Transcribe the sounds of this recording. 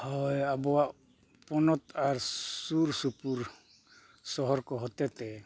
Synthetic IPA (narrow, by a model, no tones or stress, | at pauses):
hɔjabɔwaʔ | pɔnɔt̪aɾsuɾsupuɾ | sɔɦɔɾkɔɦɔt̪ɛt̪ɛ